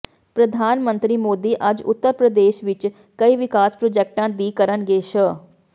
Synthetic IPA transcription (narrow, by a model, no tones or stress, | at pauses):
pɾəd̪ʱaːnmə̃nt̪ɾiːmoːd̪iːʔɐd͡ʒʊ̰t̪ːəɾpɾəd̪eːʃʋɪt͡ʃ | kəiʋɪkaːspɾoːd͡ʒɛːk̚ʈãːd̪iːkəɾənɡeːʃə